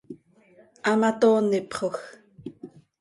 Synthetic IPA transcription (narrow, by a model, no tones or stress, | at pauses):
ʔamat̪oːnːɪpχox